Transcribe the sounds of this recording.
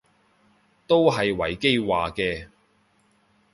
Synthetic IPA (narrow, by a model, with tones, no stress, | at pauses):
t̪o˥wɦɐ˨jwɐ̰˨˩jke˥jwaː˨kɛː˧